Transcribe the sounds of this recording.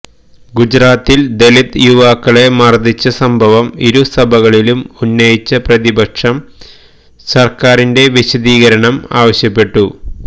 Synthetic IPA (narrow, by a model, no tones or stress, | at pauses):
ɡud͡ʑɾaːt̪ːild̪e̞lit̪juʋaːkːɐɭe̞mɐrd̪it͡ɕːɐsɐmbʱɐʋɐmiɾusɐbʱɐɣɐɭilumunːɐjit͡ɕːɐprɐðibɐkʂɐm | sɐrkaːɾinde̞ʋiɕɐðiːɣɐɾɐɳɐma̰ːʋɐɕjɐpːe̞ʈːu